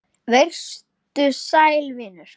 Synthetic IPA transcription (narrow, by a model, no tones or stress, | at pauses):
ver̥st̪ʏsaːjlvɪːnʏɾ̥